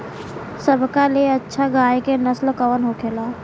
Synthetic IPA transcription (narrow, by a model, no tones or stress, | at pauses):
səbʱkaleɐtːʃʰaɡaːjkenəslkəʋənɦokʰeːlaː